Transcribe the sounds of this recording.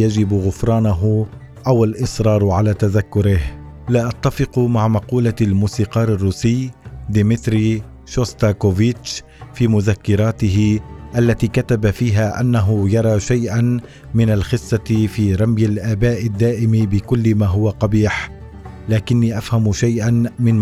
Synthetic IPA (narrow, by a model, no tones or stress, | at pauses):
jad͡ʒɪbɣʊfɾˤɑːnaɦʊ | ʔawalʔɪsˤɾˤɑːɾˤʕalaːt̪aðakːʊɾɪh | laːʔat̪ːafɪqʊmaʕmɑquːlalmuːsiːqɑːɾˤarːuːsɪjd̪ɪmɪt̪ɾiː | ʃost̪akovɪt͡ʃ | fiːmʊðakːɪɾˤaːt̪ɪɦɪʔalːat̪iːkat̪abafiːɦaːʔa̰nːaɦʊjɑɾˤɑːʃajʔan | mɪnalxɪsːɑfiːɾˤɑmjalʔaːbaːʔɪd̪ːaːʔɪmɪbɪkʊlːɪmaːɦʊwaqɑbiːħ | laːkɪnːiːʔafhamʃajʔanmɪn